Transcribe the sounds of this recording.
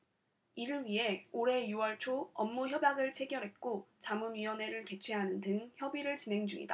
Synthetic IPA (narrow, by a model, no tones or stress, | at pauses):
iɾɯɭɥiɦe̞oɾe̞juwʌɭt͡ɕʰoʌmːuçjʌbjaɡɯɭt͡ɕʰe̞ɡjʌɾɦe̞t̚k͈ot͡ɕamɯnɥiwʌne̞ɾɯɭke̞t͡ɕʰweɦanɯntɯŋçjʌbiɾɯɭt͡ɕinɦe̞ŋd͡ʑuŋḭda